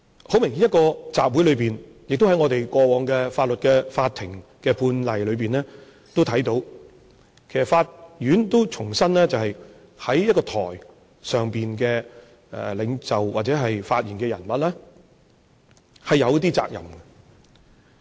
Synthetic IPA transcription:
ho˨˥wmɪ˨˩ŋhi˨˥jɐ˥kɔː˧t͡sa̰ː˨p̚wu˨˥jlɵ˨˧ɥpiː˨n | jɪ˨k̚t̪o˥whɐ˨˥jŋɔ˨˧t̪e˨jkɔː˧wɔː˨˧ŋkɛ˧faː˧t̚lɵ˨t̚kɛː˧faː˧t̪ʰːɪ˨˩ŋkɛː˧puː˧nlɐ˨jlɵ˨˧ɥpiː˨˩nlɛː˥ | t̪o˥wt̪ʰɐ˨˥jt̪o˨˥w | kʰe˨˩sɐ˨˩faː˧t̚jyː˨˥nt̪o˥wt͡sʰʊ˨˩ŋsɐ˥nlɛː˥t͡sɐ˨whɐ˨j | hɐ˨˥jjɐ˥t̚kɔː˧t̪ʰɔ̰ː˨˩j | sœː˨ŋpiː˨nkɛː˧ | ɛ̰˨lɪ˨˧ŋt͡sɐ˨˩wwaː˨t̚t͡sɛː˨˥ɦɐ˨jfaː˧t̚jiː˨˩nkɛː˧jɐ˨˩nmɐ˨t̚lɛː˥ | hɐ˨jɐ˨˧wt̪iː˥t͡sa̰ː˧k̚jɐ̰˨˩mɡɛ˧

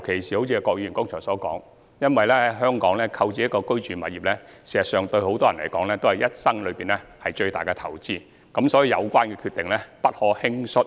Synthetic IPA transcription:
wkʰe˨˩jsiː˨˩o˨˥wt͡sʰiː˧ɛ˧kɔː˧k̚jiː˧˨˩ŋkʊ˥ŋt͡ʃʰɔː˨˩sɔː˨˥kɔː˨˥ŋ | jɐ˥nwɐ˨jlɛː˥ɐ˧˨jɦœː˥ŋkɔː˨˥ŋlɛː˦˥kʰɐ˧wt͡siː˧jɐ˥kːɔː˧kɵ˥ɥt͡ʃyː˨nmɐ˨t̚jiː˨p̚lɛː˥siː˨˩zɐ˨t̚sœː˨ŋt̪ɵ˧ɥho˨˥wt̪ɔː˥jɐ˨˩nlɐ̰˨˩jkɔː˨˥ŋlɛː˥t̪o˥whɐ˨˩jɐ˥t̚sɐ˥ŋlɵ˨˧ɥpiː˨nlɛː˦˥hɐ˨jt͡ʃɵ˧ɥt̪aː˨jkɛ˧t̪ʰɐ˨˩wt͡siː˥ | kɐ˨˧˥msɔː˨˥ji˨˧jɐ˨˧wkʷaː˥nkɛː˧kʰyː˧t̪̚ɪ˨˩ŋlɛː˥pɐ˥t̚hɔː˨˥hɪ˥ŋsʊ˥t̚

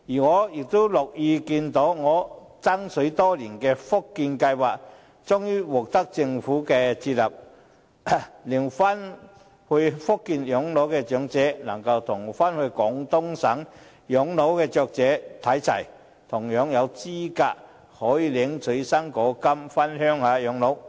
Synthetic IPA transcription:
jiː˨˩ŋɔː˨˧jɪ˨k̚t̪o˥wlʊ˨k̚jiː˧kiː˧nt̪o˨˥wŋɔː˨˧ | t͡sɐ˥ŋsɵ˨˥ɥt̪ɔː˥liː˨˩nkɛː˧fʊ˥kːiː˧nkɐ˧jwaː˨˩k̚ | t͡sʊ˥ŋjyː˥wɔː˨˩k̚t̪ɐ˥k̚t͡sɪ˧ŋfuː˨˥kɛː˧t͡sʰiː˧t̚lɐ̰˨p̚ | lɪ˨˩ŋfa˥n | hɵ˧ɥfʊ˥kːiː˧njʊ˨˥ŋlo˨˥wkɛː˧t͡ʃœː˨˥ŋt͡sɛː˨˥nɐ˨˩ŋkɐ˧wt̪ʰʊ˨˩ŋfaː˥nhɵ˧kɔː˨˥ŋt̪ʊ˥ŋsɐ˨˥ŋ | jɔ˨˥ŋlo˨˥wkɛː˧t͡ʃœː˨˧k̚t͡sɛː˨˥t̪ʰɐ˨˥jt͡sʰɐ̰˨˩j | t̪ʰʊ˨˩ŋjœː˨˥ŋjɐ˨˧wt͡siː˥kaː˧k̚ | hɔː˨˥jiː˨˧lɪ˨˥ŋsɵ˨˥ɥsɐ˥ŋkɔː˨˧˥kɐ˥mfɐ˥nɦœː˥ŋaː˨˧jœː˨˥ŋlo˨˥w

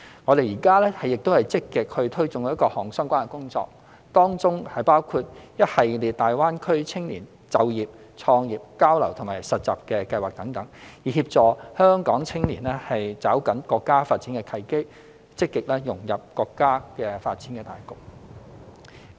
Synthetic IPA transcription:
ŋɔː˨˧ɾe˨jiː˨˩kaː˥lɛː˥hɐ˨jɪ˨k̚t̪whɐ˨˩jt͡sɪ˥kːɪ˨k̚hɵ˧t̪ʰɵ˥ɥt͡sʊ˨ŋ˨˦˥kɔː˧hɔː˨˩ŋsœː˥ŋkʷaː˥nɐ˨˩kʊ˥ŋt͡sɔ̰ː˧k̚ | t̪ɔː˥ŋt͡sʊ˥ŋhɐ˨jpaː˥wkʰuː˧t̚jɐ˥t̚hɐ˨jliː˨t̚t̪aː˨jwaː˥nkʰɵ˥ɥt͡sʰɪ˥ŋliː˨˩n | t͡sɐ˨wjiː˨p̚ | t͡sʰɔː˧ŋjiː˨p̚kaː˥wlɐ̰˨˩wt̪ʰʊ˨˩ŋmaː˨˩jsɐ˨t̚t͡sa̰ː˨p̚kɛː˧kɐ˧jwaː˨˩k̚t̪ɐ˨˥ŋt̪ɐ˨˥ŋjiː˨˩ɦiː˧p̚t͡ʃɔː˨hœː˥ŋkɔː˨˥ŋt͡sʰɪ˥ŋliː˨˩nɛ˥hɐ˨jt͡saː˨˥wkɐ˨˥nkɔː˧kːaː˥faː˧t̚t͡si˨˥nkɛ˧kʰɐ˨˧jke˥j | t͡sɪ˥kːɪ˨k̚lɛː˥jʊ˨˩ŋjɐ˨p̚kɔː˧kːaː˥kɛː˧faː˧t̚t͡siː˨˥nkɛ˧t̪aː˨˩jkʊ˨k̚

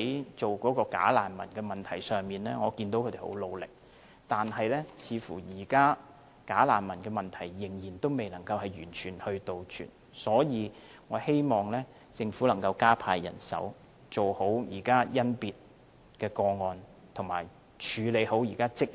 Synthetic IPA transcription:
jt͡so˨wkɔː˨˥kɔː˧ka̰ː˨˥laː˨˩nmɐ̰˨˩nkɛː˧mɐ˨nt̪ʰɐ˨˩jsœː˨ŋmiː˨nlɛ̰ː˥ŋɔː˨˧kiː˧nt̪o˨˥wkʰɵ˨˧t̪e˨˩ho̰˨˥wlo˨˧wlɪ̰˨k̚ | t̪aː˨nɦɐ˨jlɛ˥t͡sʰiː˨˧fuː˨˩jiː˨˩kaː˥ | kaː˨˥laː˨˩nmɐ˨˩nkɛː˧mɐ˨˩nt̪ʰɐ˨˩jːɪ˨˩ŋjiː˨˩nt̪o˥wme˨jnɐ˨˩ŋkɐ˧whɐ˨jyː˨˩nt͡ʃʰyː˨˩nhɵ˧ɥt̪o˨wt͡ʃʰy̰ː˨˩n | sɔː˨˥jiː˨˧ | ŋɔː˨˧he˥jmɔː˨ŋlɛː˥ | t͡sɪ˧ŋfuː˨˥lɐ˨˩ŋkɐ˧wkaː˥pʰaː˧jjɐ̰˨˩nsɐ̰˨˥w | t͡so˨who˨˥wjiː˨˩kaː˥jɐ˥npiː˨˧t̚ | kɛː˧kɔː˧ŋɔː˨˧n | t̪ʰʊ˨˩ŋma̰ː˨˩j | t͡ʃʰyː˨˧le˨˧jho˨˥wjiː˨˩kaː˥t͡sɪ˥k̚

